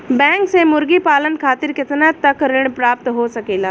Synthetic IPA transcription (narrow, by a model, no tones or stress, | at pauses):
bɛ̃ŋksemʊɾɡiːpaːlənkʰaːt̪iɾkət̪nat̪ːəkɾɪɳ̃pɾaːp̚t̪ɦosəkeːlaː